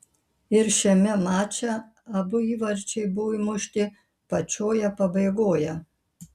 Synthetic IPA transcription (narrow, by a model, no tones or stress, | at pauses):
ɪɾʃʲɛmʲɛmɑːt͡ʃʲɛ | ɐbʊiːʋɐɾʲt͡ʃʲɛɪbʊʋimʊʃʲt̪ʲɪ | pɐt͡ʃʲoːjɛpɐbɐɪɡoːjɛ